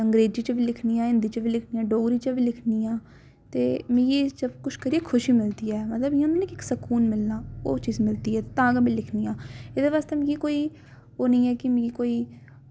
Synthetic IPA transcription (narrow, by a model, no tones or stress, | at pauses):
əŋɡɾeːd͡ʒiːt͡ʃʋiːlɪkʰniːãːɪ̃nd̪iːt͡ʃʋiːlɪkʰniːãːɖoːɡɾiːt͡ʃəʋiːlɪkʰniːjãː | t̪eːmɪ̃ɡiːsəbkʊʃkəɾiːɛkʰʊʃiːmɪld̪iːɛːmət̪ləbãnd̪eːnẽːkɪksəkuːnmɪlnaːo̰ːt͡ʃiːzmɪld̪iːɛːt̪ãːɡbiːlɪkʰniːãːɪd̪eːʋaːst̪eːmɪ̃ːɡikoːiː | oːnə̃ĩːɛːkɪmɪ̃ɡiːkoːiː